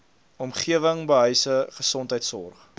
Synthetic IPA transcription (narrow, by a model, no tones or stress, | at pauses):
ɔmχiəvəŋbəɦœjsəχəsɔntəjtsɔ̰rχ